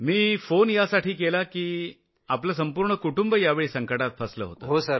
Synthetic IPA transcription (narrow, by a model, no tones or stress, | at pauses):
miːfonjasaʈʰiːk̬elakiː | apləːs̬əmpuːɾɳəkuʈumbəjaʋeɭiːsəŋkəʈat̪̚fʰəslə̰ɦo̰t̪o̰ɦosəɾ